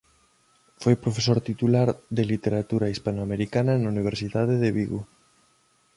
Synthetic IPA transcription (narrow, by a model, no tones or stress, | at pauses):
fojpɾofesoɾt̪it̪ulaɾðelit̪eɾat̪uɾaispanoameɾikanɐnauniβ̞eɾsiðaðeðeβiɣu